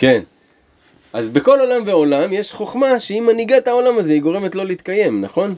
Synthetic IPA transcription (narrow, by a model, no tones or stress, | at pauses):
ke̞n | ʔazbeko̞lo̞lamve̞o̞lamje̞ʃχo̞χmaʃe̞imaniɡat̪ao̞lamaze̞iɡo̞ʁe̞met̪lo̞leit̪̚kaje̞mnaχo̞n